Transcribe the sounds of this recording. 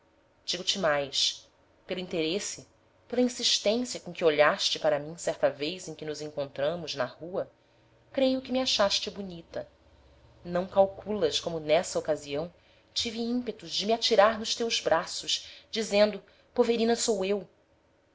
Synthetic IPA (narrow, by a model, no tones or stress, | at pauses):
d͡ʒiɡʊt͡ʃɪmajʃ | peluĩnt̪eɾesɪ | pelɐĩsiʃt̪ẽsiɐkõkɪoʎaʃt͡ʃɪpaɾɐmĩsɛɾt̪ɐvejzẽj̃kɪnʊzẽŋkõnt̪ɾɐ̃mʊznɐhuɐ | kɾejʊkɪmiaʃaʃt͡ʃɪbunit̪ɐ | nɐ̃w̃kawkʰulɐʃkõmʊnɛsɐokaziɐ̃w̃ | t͡ʃiviĩmpet̪ʊzd͡ʒɪmiat͡ʃiɾaɾnʊʃt̪ewzbɾasʊʃd͡ʒizẽnd̪ʊ | poveɾĩnɐsowew